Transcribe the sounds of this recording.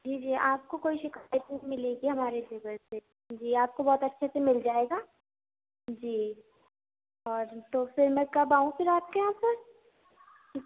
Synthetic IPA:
d͡ʒiːd͡ʒiːʔaːp̚kokoːiʃɪkaːjət̪nɐɦĩmɪleːɡiɦɐmaːɾed͡ʒ̪ɪɡəɾse | d͡ʒiːaːp̚kobɔːt̪ɐtːʃʰasemɪld͡ʒaːeːɡaː | d͡ʒiː | ɔːɾt̪ofɪɾmɛ̃kɐbaːũfɪɾaːp̚keɦãsɐɾ | ki

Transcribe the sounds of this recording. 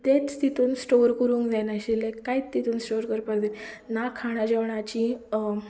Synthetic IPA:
t̪et͡st̪it̪uːnsʈoɾkəɾũːŋkd͡zajnaɕilekait͡st̪it̪uːnsʈoɾkəɾpaɾd͡z̪e | nakʰaɽ̃ad͡ʑeʋɳat͡ɕi

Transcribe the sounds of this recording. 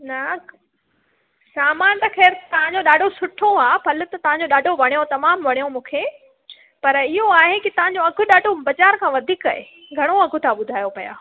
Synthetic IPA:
nɐ | saːmaːnt̪ɐxeːɾt̪ɐʋ̤ãɲ̆d͡ʑoɗaːɖʱosʊʈʰoaːpʰɐlʊ̆t̪ɐt̪ɐʋãɲd͡ʑoɗaːɖʱoʋɐɽ̃ijõt̪ɐmaːmʋɐɽ̃ijomũːkʰeː | pɐɾɪɦoaːɦekɪt̪ɐʋ̤ãɲd͡ʑoɐɡʱʊɗaːɖʱobɐd͡ʑaːɾkʰãːʋɐd̪ʱiːkɐḛ | ɡʱɐɽ̃oɐɡʱʊ̆t̪ʰaɓʊd̪ʱaːjopɐja̰ː

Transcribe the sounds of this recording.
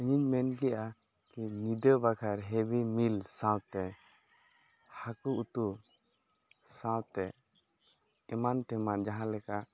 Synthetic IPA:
əɲiɲmɛnɡɛʔa | kinid̪əbakʰaɾɦɛbimilsãwt̪ɛ | hakuut̪u | sãwt̪ɛ | ɛmant̪ɛmand͡ʒaɦãlɛkaʔ

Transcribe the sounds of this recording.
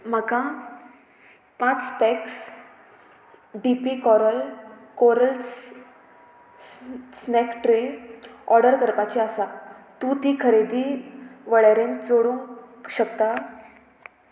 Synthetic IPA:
m̤əɡã | pãt͡spɛks | ɖipikɔɾəlkoɾəls | snɛkʈɾeɔɾɖəɾkəɾpat͡ɕiəsat̪ũt̪iːkʰəɾed̪iːʋəɭaɾẽnd͡zoɽũŋɕək̚t̪a

